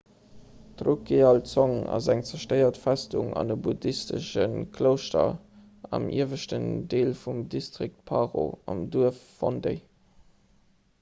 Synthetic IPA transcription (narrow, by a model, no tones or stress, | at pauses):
tʁukeɑlt͡soŋɑ̰zæŋt͡sɛɐʃtəɪɐtfæstuŋɑ̰ndəbudistə̰ʃənkʰləʊʃtɐ | ɑmḭəvəʃtəndeːlfumdistʁik̚t̚pʰɑʁo̰ɑmduəfːondeɪ